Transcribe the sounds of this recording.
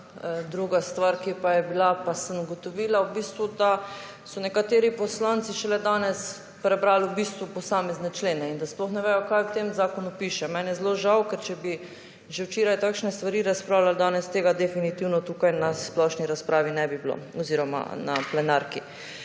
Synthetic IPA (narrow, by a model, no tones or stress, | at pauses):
d̪ɾuɡast̪ʋaɾkipajɛbilapasənɡɔt̪ɔʋiːlawbiːst̪ʋud̪a | sɔnɛkat̪eːɾipɔslant̪siʃɛlɛd̪aːnɛs | pɾɛbɾalubist̪ʋupɔsaːmɛznɛt͡ʃleːnɛind̪asplɔxnɛʋɛːjɔkajkt̪emzaːkɔnupiːʃɛmɛnjɛzloʒawkɛɾt͡ʃɛbi | ʒɛwt͡ʃeːɾajt̪akʃnɛst̪ʋaɾiːɾaspɾaːwlald̪aːnɛst̪eːɡad̪ɛfinit̪iwnɔt̪uːkajnasplɔʃniɾaspɾʔaːʋinɛbiblo̰ɔziːɾɔma̰na̰plɛnaɾki